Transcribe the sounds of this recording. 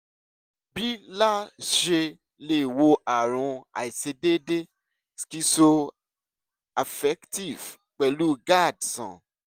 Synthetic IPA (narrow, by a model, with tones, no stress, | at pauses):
bi˦la˦ʃe˧ | le˧˨wo˧ʔa˨ɾ̃ũ˧˦a̰˨i˨se˧de˦de˦ | ski˧so˧ | a˨fɛ˦kti˦˨v | k͡pɛ˨lu˦ɡa˦˨dsã̰˨